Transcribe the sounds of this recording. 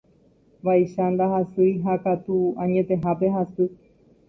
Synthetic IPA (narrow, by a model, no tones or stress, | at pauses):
ʋaiʃand̪ahasɨjɦakat̪uãɲẽ̞t̪ẽ̞ɦape̞ɦasɨ